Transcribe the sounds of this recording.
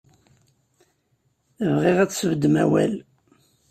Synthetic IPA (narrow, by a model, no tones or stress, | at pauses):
vʁiʁæt͡sːsəvd̪ːəmæwæ̰l